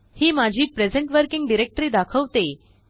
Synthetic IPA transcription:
hiːmad͡ʑʱiːpɾed͡zeɳʈʋəɾkiŋɡɖiɾek̚ʈəɾiːd̪akʰəʋt̪e

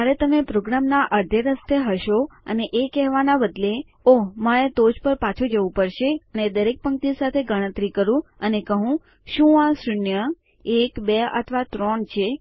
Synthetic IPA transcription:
aɾet̪əmepɾoɡɾamnaʔəɾd̪ʱeɾəst̪eɦəʃoə̰neʔekɛɦʋanabəd̪le | oɦməɭet̪od͡ʒpəɾpat͡ʃʰud͡ʒəʋũpəɾʃeəned̪əɾek̚pəŋk̚t̪isat̪ʰeɡəɽ̃ə̃t̪ɾikəɾũənekəɦũ | ʃũasɾʊnjə | ekbeə̰t̪ʰʋat̪ɾoɳt͡ʃʰe

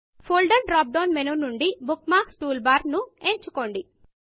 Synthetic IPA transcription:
pʰoːlɖɐɾɖɾaːp̚ɖoːnmenunuɳɖibukmaːksʈuːlbaːɾnueːɲt͡ʃuko̞ːɳɖi

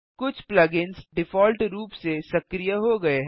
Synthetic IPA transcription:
kʊt͡ʃʰplɐːɡɪnsɖɪfɔːlʈɾuːpsesɐkɾijaɦoɡɐeɦ

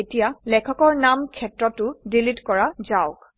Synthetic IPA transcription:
etijalɛkʰɔkɔɹnamkʰɛtɹɔtʊdilitkɔɹazaʊk

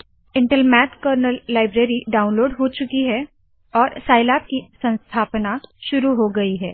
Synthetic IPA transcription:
ɪ̃ɳʈəlmɛːt̪kəɾnəlːaːɪbɾeːɾiɖaːʊ̃nloːɖɦot͡ʃʊkiɦɛ | ɔːɾsaːɪlaːp̚kisɐ̃nst̪ʰaːpnaʃʊɾuɦoɡɐiɦɛː

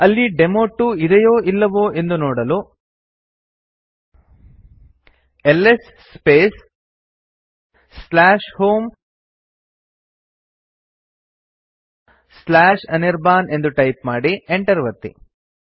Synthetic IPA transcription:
ɐlːiɖemoːʈːuid̪ɐjoːʔilːɐʋoːʔe̞nd̪unoːɽɐlu | elːesːpeːs | slaːʃhoːm | slaːʃɐniɾbaːne̞nd̪uʈɐjpmaːɽieɳʈɐɾʋɐt̪ːḭ

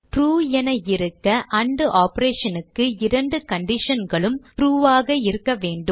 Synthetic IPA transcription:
ʈɾuːɛnɐɪɾɯkːɐʔɐɳɖɯʔaːpɐɾeːʂɐnɯkːɯɪɾɐɳɖɯkɐɳɖɪʂɐnɡɐɭɯmʈɾuːʋaːɣɐɪɾɯkːɐʋeːɳɖɯm

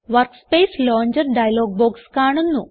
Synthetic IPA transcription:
ʋɐrkspeːsloːɲd͡ʑɐɾɖɐjɐloːɡ̚boːkskaːɳunːu

